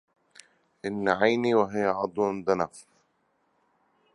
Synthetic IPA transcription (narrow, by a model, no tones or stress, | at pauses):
ʔɪnːʕajniwɪɦɪjːaʕɑd̪ˤwnd̪anaf